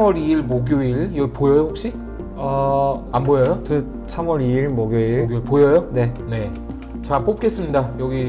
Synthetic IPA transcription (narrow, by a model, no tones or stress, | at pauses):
mwʌɾiiɭmoɡjoiɭjʌɡipojʌjoɸok̚ɕ͈i | ʌambojʌjotɯ | sʰamwʌɾiiɭmoɡjoioɡoipojʌjone̞ne̞ | t͡ɕap͈op̚k͈e̞s͈ɯmɲidajʌɡi